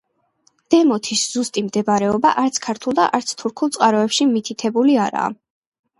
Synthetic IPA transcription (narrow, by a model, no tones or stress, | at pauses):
d̪̥ɛmɔt̪ʰisz̥ust̪ʼimd̪ɛbaɾɛɔbaʔaɾt̪sʰkʰaɾt̪ʰulˠd̪a̰ʔaɾt̪sʰt̪ʰuɾkʰulˠt̪sʼqʼaɾɔɛpʃimit̪ʰit̪ʰɛbuliaɾa̰ː